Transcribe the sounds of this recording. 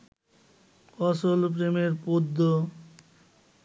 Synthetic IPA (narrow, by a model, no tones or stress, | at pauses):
kɔsolp̬ɾemeɾpod̪ːo